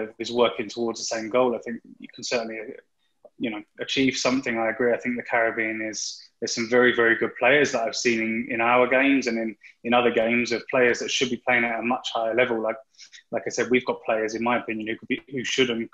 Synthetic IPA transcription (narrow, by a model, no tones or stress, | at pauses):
əvɪzwɜˑkɪ̃ŋtʰəwɔɹdzðəsẽɪ̃mɡɒʊlaɪθɪ̃ŋk̚jə̰kʰn̩sɜˑ˞ʔn̩li | jɨnəʊət͡ʃʰiːv̥sʌ̃mθɪ̃ŋaɪəɡɹiaɪθɪ̃ŋk̚ðɨkʰæɹəbĩnɪz̥ðəz̥sʌ̃ɱvɛɹivɛɹiɡʊd̚pʰl̥eɪəzðətaɪv̥sĩnɪ̃nɪ̰̃naʊəɡẽɪ̃mzə̃nə̃nɪ̃nʌðəɡẽɪ̃mzʌv̥pʰl̥eɪəzðətʃɨd̚bipʰl̥eɪɪ̃ŋətəmʌt͡ʃhaɪəlɛvəlˠlaɪk̚laɪkaɪsɛd̚wivɡɒʔ̚pʰl̥eɪə˞zɪ̃nmaɪəpʰɪ̃njə̃nhʉkʰəbihʉʃʊdⁿn̩